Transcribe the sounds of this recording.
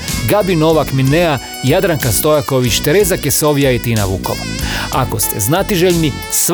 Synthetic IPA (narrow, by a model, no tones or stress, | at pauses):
ɡabinoʋakminea | jad̪ɾaŋkast̪ojakoʋit͡ʃt̪eɾezakesoʋijaet̪ina̰ʋṵko̰ʋua̰ko̞st̪ḛznat̪iʒeʎni | s